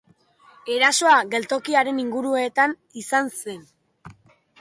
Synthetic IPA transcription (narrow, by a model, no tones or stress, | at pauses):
e̞ɾaso̞aɣe̞lt̪o̞kiaɾe̞niŋɡuɾue̞t̪an | isanse̞n